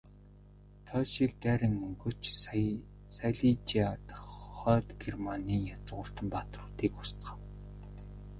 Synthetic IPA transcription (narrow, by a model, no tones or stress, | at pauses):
t̪ʰœʃik̚t̪æːɾʲɪ̆ŋɵŋɡɵ̆t͡ɕ | sajɮit͡ɕiat̪χœːt̪ɡermaniːŋjat͡sʁʊːr̥t̪ə̆mpat̪rʊːt̪iːkʊ̥st̪χə̆w